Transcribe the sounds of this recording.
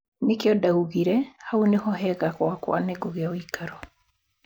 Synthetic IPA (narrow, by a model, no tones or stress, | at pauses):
nekeɔdauɣiɾɛhaunehɔɦɛɣakwakwa̰neɡoɣeawikaɾɔ